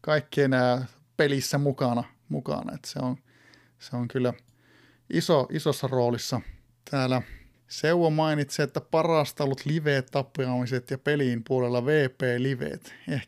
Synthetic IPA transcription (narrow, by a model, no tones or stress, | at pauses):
kɑikːienæː | pelisːæmukɑnɑ | mukɑ̰nɑ̰ḛt̪seon | seoŋkylːæ | ʔisoʔisosːɑroːlisːɑ | t̪ʰæːlæ | seuwomɑinit̪seet̪ːæpɑrɑˑst̪ɑlut̪liʋeːt̪t̪ɑpːiɑmiset̪jɑpeliˑmpuolelːɑʋeːpeːliʋḛːt̪eh